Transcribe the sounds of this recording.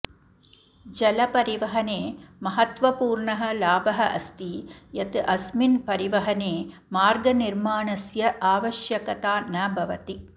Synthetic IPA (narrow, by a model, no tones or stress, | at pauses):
d͡ʒɐlɐpɐɾiʋɐɦɐneːmɐɦɐt̪ʋɐpuːɾɳɐɦɐ̆laːbɐɦɐʔɐst̪ijɐt̪ɨʔɐsminpɐɾiʋɐɦɐneː | maːɾɡɐniɾmaːɳɐsjɐʔaːʋɐʃjɐkɐt̪aːnɐbʱɐʋɐt̪i